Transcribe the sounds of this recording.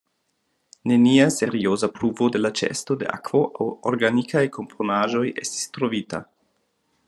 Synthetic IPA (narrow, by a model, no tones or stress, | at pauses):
ne̞niase̞ɾio̞zapɾuvode̞lat͡ʃe̞̰sto̞de̞̰ʔa̰kv̥o̞ʔawoɾɡanikʰajkʰo̞mpʰonaʒo̞jesti̥stɾo̞vita̰